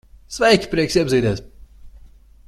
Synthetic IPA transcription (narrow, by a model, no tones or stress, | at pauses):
svɛjkʲi̥pɾiɛksiɛbziːd̪ɛːs